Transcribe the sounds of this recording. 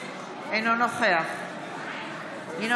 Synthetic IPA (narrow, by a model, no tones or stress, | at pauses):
enonoχea | ino